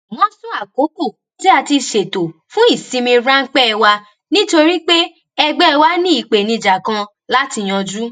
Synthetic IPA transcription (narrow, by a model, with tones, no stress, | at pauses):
mɔ̃˨˦sũ˦a˨ko˨˦ko˦˨ | ti˦a˧ti˧ʃe˨to˨fũ˦i˦˨sĩ˧mĩ˧ɾã˦ŋ̩˦k͡pɛ˦ɛ˧wa˧ | nĩ˦to˧ɾi˦k͡pe˦ | ɛ˧ɡ͡bɛ˦˧wa˦nĩ˦i˨k͡pe˨nĩ˧d͡ʒa˨kã˧ | la˦ti˧j̃ɔ̃˧d͡ʒu˦